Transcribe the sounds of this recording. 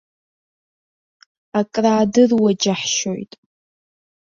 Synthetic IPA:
akʼraːdɨrwad͡ʒaħʃo̰jtʼ

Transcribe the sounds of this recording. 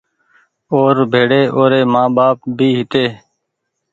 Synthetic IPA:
oːɾbʱeːɽeːʔoːɾeːmãːbaːp̚bʱiːɦɪt̪eː

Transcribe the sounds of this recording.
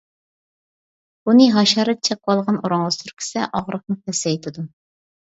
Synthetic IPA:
bunɨɦɑʃɑɾɛt̪̚t͡ʃʰɛk̚wɑlˠʁɑnoɾɑŋʁɑsuɾkʲʰɪ̥sɛʔɑʁɾəχmɨpʰɛsɛit̪ʰɪd̪u

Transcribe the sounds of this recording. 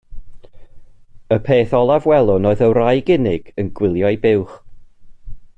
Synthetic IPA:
əpʰeːθɔlˠavwɛlˠʊnoɨðəwrajɡɪnɪɡ̥ənɡwɪlˠjɔjbɪwχ

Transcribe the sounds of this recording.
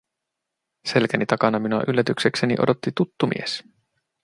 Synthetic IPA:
se̞lkænit̪ɑkɑnɑminuɑ̰ʔylːæt̪ykseksenḭʔo̞̰do̞t̪ːit̪ut̪ːumḭes

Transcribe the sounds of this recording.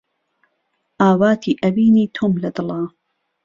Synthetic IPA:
ʔaːwaːt̪ʰiːʔɐbiːniːt̪ʰoːmlɐd̪ɨlˠɑː

